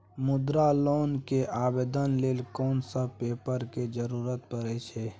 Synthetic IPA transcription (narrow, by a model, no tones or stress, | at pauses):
mʊd̪ɾaloːnkeʔaːbeːd̪ənleːlkɔːnsəpeːpəɾked͡ʒəɾuːɾət̪̚pəɾɛt͡ʃʰeː